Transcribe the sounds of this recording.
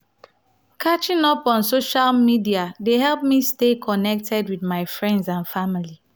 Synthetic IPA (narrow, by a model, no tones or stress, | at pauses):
kʰat͡ʃĩŋɔpɔ̃nsoʃalmidiadeɦɛlˠp̚mistekʰɔnɛk̚tʰɛdwiθmaɪfɹɛ̃ndsãnfamili